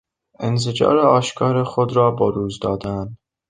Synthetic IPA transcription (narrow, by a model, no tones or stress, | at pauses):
ensed͡ʒɒ̰ːɾeɒːʃkʰɒːɾexod̪ɾɒːbɒːɾuːzd̪ɒːd̪æn